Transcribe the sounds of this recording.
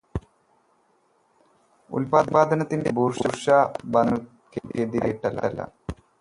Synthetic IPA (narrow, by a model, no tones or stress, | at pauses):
ṵlpaːpaːd̪ʱɐnɐt̪ːinde̞bʱuːrʂɐrʂabɐnu | keed̪iɾɐjʈːɐlːɐlːɐ̰